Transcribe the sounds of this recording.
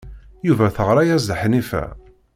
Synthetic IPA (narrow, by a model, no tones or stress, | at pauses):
juvæθəʁɾˤɑjæzd̪əħnifæ̰